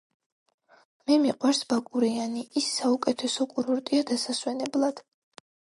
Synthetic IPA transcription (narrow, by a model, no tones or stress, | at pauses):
mɛmiqʼwaɾsbakʼuɾianiʔisːaukʼɛt̪ʰɛsɔkʼuɾuɾt̪ʼiad̪asaswɛnɛblˠad̪̥